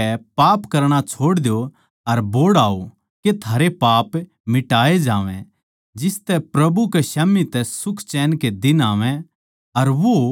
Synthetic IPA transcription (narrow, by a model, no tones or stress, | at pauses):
ɛpaːpkɐɾɽ̃at͡ʃʰoːɽd̪jo | ɐɾboːɽaːo | ket̪ʰaːɾepaːp | mɪʈaːed͡ʒaːʋɛ̰̃ | d͡ʒɪst̪ɛpɾɐbukeʃɐmːit̪ɛsʊkʰt͡ʃɛːnked̪ɪnaːʋɛ̃ | ɐɾʋo